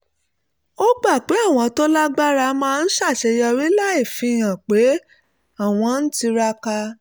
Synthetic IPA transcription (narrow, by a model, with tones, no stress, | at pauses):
o˦ɡ͡ba˦˨k͡pe˨˦a˦˨w̃ɔ̃˧to˦la˦ɡ͡ba˦ɾa˧mãː˦˧n̩˦ʃa˦˨ʃɛ˧jɔ˧ɾi˦la˦i˦˨fĩ˨˦˨j̃ã˨k͡pe˨˦ | a˦˨w̃ɔ̃˧n̩˦ti˧ɾa˧ka˧